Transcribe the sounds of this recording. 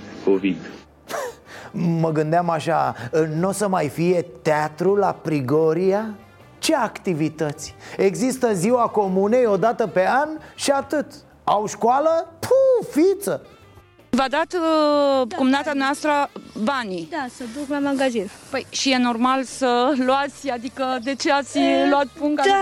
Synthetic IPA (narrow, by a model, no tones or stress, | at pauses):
kovid̪ | məɡɨnd̪eamaʃa̰ɨnosəmajfije̞t̪eat̪ɾulapɾiɡoɾija | t͡ʃe̞akt̪ivit̪ət̪sʲe̞ɡzist̪əziwako̞munejo̞d̪at̪əpe̞anʃiat̪ɨt̪ | awʃkwaləpʰufit̪sə | vad̪at̪ | kumnat̪ad̪uneast̪ɾəbanid̪asəd̪uklamaɡazinpəjʃije̞no̞rmalsəluat̪sʲad̪ikəd̪e̞t͡ʃeat̪sʲloat̪̚puŋka